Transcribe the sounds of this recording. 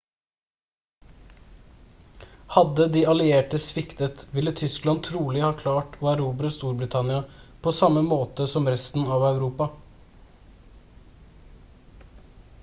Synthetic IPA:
hɑd̪əd̪iːɑlɪeːʈəsʋɪkt̪ət̪ʋɪlːət̪ʰʏsklɑnt̪ʰɾuːlɪhɑːkʰlɑːʈoːæɾuːbɾəst̪uːɾbɾɪt̪ʰɑnɪɑpʰoːsɑməmoːt̪əsɔmɾɛst̪n̩ɑʋɑʉɾuːpɑ

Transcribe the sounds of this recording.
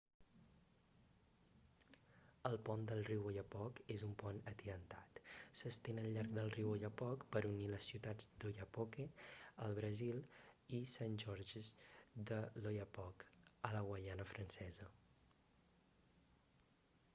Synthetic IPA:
əlˠpɔnd̪əlˠriwojəpɔkezumpɔnət̪iɾənt̪at̪səst̪enəlʎaɾk̚d̪əlˠriwojəpɔkpəɾuniləsːiwt̪ad͡zd̪ojəpɔkeəlˠβɾəzilˠisanʲʒɔɾʒzd̪əlojəpɔkələɣwəʎanəfɾənsɛzə

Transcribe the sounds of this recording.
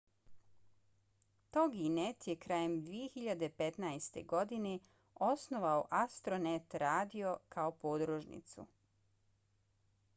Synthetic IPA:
t̪oɡinet̪jekɾaːjemd̪ʋijexiʎad̪epe̞t̪najst̪e̞̰ɡo̞d̪ine | o̞sno̞ʋaoʔast̪ɾonet̪ɾaːd̪io̞kʰaopoːd̪ɾoʒnḭt̪sṵ

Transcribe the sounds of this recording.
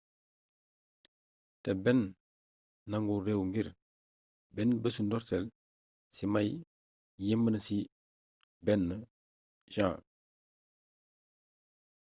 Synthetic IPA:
tebɛnː | aŋɡuɾewŋɡiɾ | bɛnbəsundɔɾsɛl | simaj | jimbənəsi | bɛnːə | ʒãː

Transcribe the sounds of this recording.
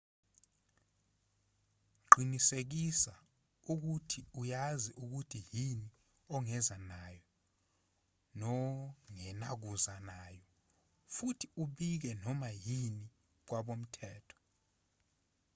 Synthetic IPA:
ǃɡ͡ǃʱinisek̬isa | uk̬utʰiujaziʔuk̬utʰijini | ɔŋɛzanajɔ | nɔŋɛnak̬uzanaːjɔ | futʰiuɓik̬ɛnɔmajini | k̬waɓom̩tʰɛːtʰɔ̥

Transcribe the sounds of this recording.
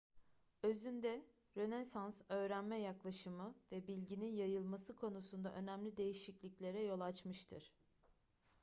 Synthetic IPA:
ø̞zynd̪ɛ | ɾø̞nesansø̞ːɾænmɛjaklˠaʃɯmɯvɛbilʲɟininjajɯlˠmasɯkʰo̞nusund̪aʔø̞næmlʲid̪e̞jiʃiclʲiclʲe̞ɾɛjo̞lˠat͡ʃmɯʃt̪ʰɯɾ̥

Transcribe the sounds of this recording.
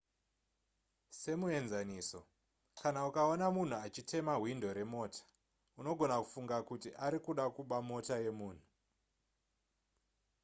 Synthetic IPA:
se̞mue̞nzaniːso̞ | kanaukaonamun̤uat͡ʃite̞maɦwindo̞ɾe̞mo̞ːtḁ | uno̞ɡʱo̞naku̥fuŋɡakutiʔaɾikuɗakuɓamo̞taje̞muːn̤u

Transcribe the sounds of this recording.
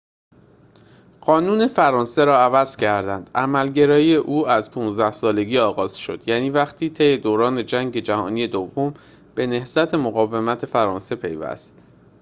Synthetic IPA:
ɢ̥ɒːnuːne̞fæɾɒːnse̞ɾɒːævæz̥cʰæɾd̪ænd̪̥ʔæmælɟe̞ɾɒːjiːjeʔuːæzpʰuːnzd̪æhsɒːle̞ɟiːɒːɣɒːz̥ʃo̞̰d̪̥jæniːvæxt̪ʰiːt̪ʰe̞jed̪oːɾɒːne̞d͡ʒæŋɟe̞d͡ʒæhɒ̰ːniːje̞d̪ovːom | b̥e̞ne̞hz̥æt̪ʰe̞moɣɒːve̞mæt̪ʰe̞fæɾɒːnse̞pʰe̞̰jvæ̰st̪

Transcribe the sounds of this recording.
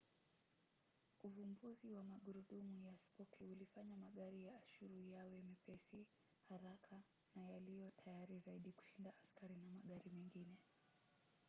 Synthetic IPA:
uvumbuziwamaɠuɾuɗumujaspɔkʰiulifaɲamaɠaɾijaːʃuɾujawɛmipɛsi | haɾakʰa | najalijɔtʰajaɾizaiɗiku̥ʃindaʔaskaɾinamaɠaɾimɛŋɡinɛ

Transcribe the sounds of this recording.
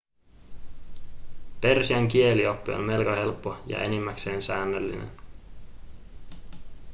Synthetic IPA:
pe̞rsiæŋkie̞lio̞pːio̰nme̞lkɑhe̞lpːojɑ̰ʔe̞̰nimːækse̞ːnsæːnːølːḭnḛn

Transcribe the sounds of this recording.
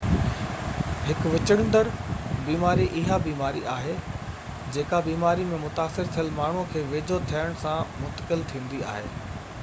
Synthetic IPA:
ɦɪkʋɪt͡ɕəɽ̃nd̪əɾbiːmaːɾiʔɪɦabiːmaːɾiʔaːɦe | d͡ʑeːkabiːmaːɾimẽmʊt̪aːsɪɾt̪ʰijəlmaːɳ̤ũkʰeːʋeːd͡ʑʱot̪ʰijəɽ̃sãmʊnt̪əkɪlt̪ʰĩːnd̪ia̰ːɦḛː

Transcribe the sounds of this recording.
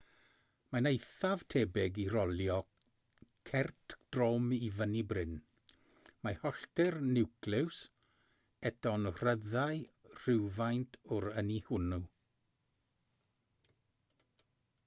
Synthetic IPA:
manejθav̥tʰeːbɛɡiɾɔljɔ | kʰɛrtʰd̥roːmivənibrɪn | mahɔɬtɪrnɪwklɪws | ɛtɔnr̥əðajr̥ɪwvajntʰʊɾənihʊnu

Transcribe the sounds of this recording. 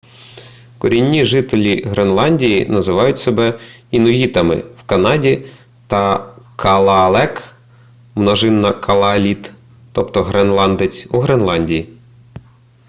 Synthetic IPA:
kɔɾʲinʲːiʒɪt̪elʲiɦɾʔenlˠɑnʲdʲijinɐzɪʋɑjʊtʲsebɛinɔʋʲit̪ɐmɪ̰wkɐnɑdʲi | t̪ɐkʰɐlˠɐlˠɛk | mnɔʒɪnːɐkʰɐlˠɐlʲit̪ː | ɔpt̪ɔɦɾenlˠɑnd̪et͡sʲuɦɾenlˠɑnʲdʲiji

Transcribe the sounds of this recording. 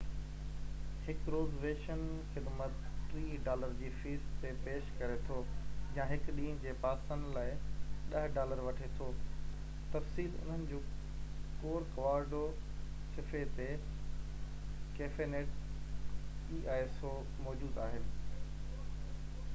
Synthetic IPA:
hɪkɾoːzʋeːʃənxɪd̪mət̪t̪ɾiːɖaːləɾd͡ʑiːfiːst̪epeːʃkɐɾet̪ʰojãːɦɪkɗĩːd͡ʑeːpaːsən̆laːɪɗɐɦɖaːləɾʋɐʈʰet̪ʰoː | t̪ɐfsiːlʊ̰n̤ənɪ̆d͡ʑoː | koːɾkɐʋaːɾɖo | sɪfet̪eʈ | keːfeneːʈ̚ | iːʔaːeso | mɔːd͡ʑuːd̪aːɦɪnɪ̆

